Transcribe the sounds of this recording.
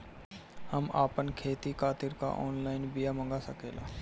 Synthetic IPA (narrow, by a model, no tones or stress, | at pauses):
həmaːpənkʰeːt̪ikʰaːt̪ɪɾka̰ʔɔːnlaːɪnbɪjamə̃ŋɡasəkeːla̰ː